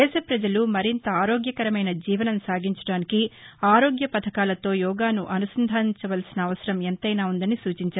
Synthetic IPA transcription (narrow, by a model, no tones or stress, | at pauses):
ɛːʃɐpɾɐd͡ʒɐlumɐɾint̪ɐaːɾo̞ːɡjɐkɐɾɐmɐjnɐd͡ʒiːʋɐnɐmsaːɡiɲt͡ʃɐɽaːnikiaːɾo̞ːɡjɐpɐt̪ʰɐkaːlɐt̪o̞ːjɔːɡaːnuʔɐnusɐnd̪ʱaːt͡ʃɐʋɐlsinɐːʋɐsɐɾɐment̪ɐjnaːund̪ɐnisuːt͡ʃiɲt͡ʃaːɾ